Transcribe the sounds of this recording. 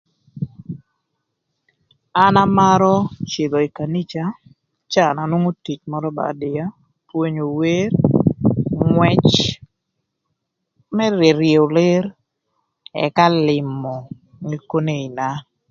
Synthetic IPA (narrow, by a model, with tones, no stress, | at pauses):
a˦na˦ma˦ɾɔ˦t͡ʃɪ˨d̪o˨i˨ka˨ni˦t͡ʃa˦ | t͡ʃa˦˨na˨nwo˦ŋo˦ti˨t͡ʃmɔ˦ɾɔ˦ba̰˨dɪ˨ja˦ | pwo˦ɲo˨we˦r | ŋwɛ˦t͡ʃ | mɛ˦ɾe˨ɾje˨o˨le˦ɾ | ɛ̰˨ka˦lɪ˨mɔ˨ | ŋi˨ko˦ne˦i˨na˦